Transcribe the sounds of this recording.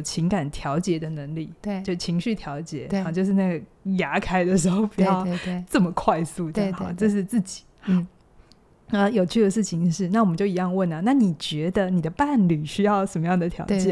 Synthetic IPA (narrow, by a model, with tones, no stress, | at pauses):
t͡ɕʰi˧˥ŋka˨˩nt̪ʰjɑ˧˥ʊt͡ɕjɛ˧˥d̪ə˧nə˧˥ŋli˥˩˥o˥˧ʊ˥˩t͡ɕʰi˧˥ŋɕy˥˩t̪ʰjɑ˧˥ʊt͡ɕjɛ˨˥˦t͡ɕjo˥˧ʊʂ̬ɻ̩˥˧na˥˩ɡə˩ | ja˧˥kʰa˥ɪd̪ə˨ʂ̬ɻ̩˧˥xo˥˧ʊpi˨˥t͡ɕjɑ˧˥˧ʊ˥˧t͡sə˥˩mə˩kʰwa˥˧ɪsu˥˧t͡ɕʈ͡ʂə˥˧ʂ̬ɻ̩˥˧t͡sɹ̩˥˩t͡ɕi̥˨˩˦ | ə˧jo˨˩ʊt͡ɕʰy˥˩d̪ə˩ʂɻ̩˥˩t͡ɕʰi˨˩ŋʂɻ̩˥˧na˥˩wɔ˨˩mə˦t͡ɕjo˥˩ʊi˧˥jɑ˥˧ŋwə˥˩nə˩na˥˩ni˨˩t͡ɕɥɛ˧˥d̪ə˧ni˨˩d̪ə˦pa˥˩nly˨˩ɕy˥jɑ˥˩ʊʂə˨˩nmə˦jɑ˥˩ŋd̪ə˩t̪ʰjɑ̰˧˥t͡ɕjɛ˨˩